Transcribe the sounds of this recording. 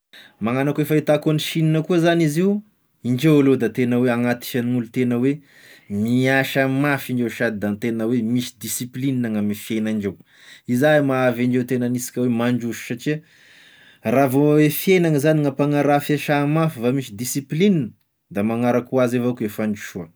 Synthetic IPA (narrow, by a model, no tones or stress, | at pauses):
maŋanakuefait̪akoniʃininəkuzaniziw | iɳd͡ʒewalod̪at̪enəweaŋat̪i̥ʃaniŋulut̪enəwe | miaʃamafiɳd͡ʒewʃad̪id̪ant̪enəwemisi̥d̪isiplininaŋamifienaiɳd͡ʒew | izamaavaɳd͡ʒewt̪enanisi̥kʲəwemaɳɖ͡ʐuʃu̥sat͡ʃiə | ravowefjenaŋəzaniŋapaŋaɾafaʃamafivamisid̪isiplininə | d̪amaŋaɾakuazevakuefaɳd͡ʒi̥ʃuə